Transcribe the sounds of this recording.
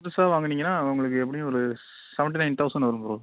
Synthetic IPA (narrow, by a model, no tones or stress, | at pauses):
t̪ːɯsaːʋaːŋɡɐniːŋɡɐnːaːʊŋɡɐɭɯk̬ːɯɛpːɐɽɪj̃ɔɾɯ | sɛʋɐɳʈinɐɪnt̪ɐʊsɐ̃nɐʋɐɾɯmpɔɾõ